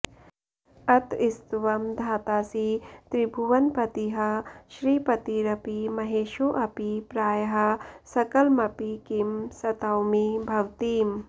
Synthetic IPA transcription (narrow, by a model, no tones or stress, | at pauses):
ɐt̪ist̪ʋɐmd̪ʱaːt̪aːsit̪ɾibʱuʋɐnpɐt̪iɦɐʃɾiːpɐt̪iɾɐpimɐɦeːʃoʔɐpipɾaːjɦɐsɐkɐlmɐpikimsɐt̪ɐwmibʱɐwt̪iːm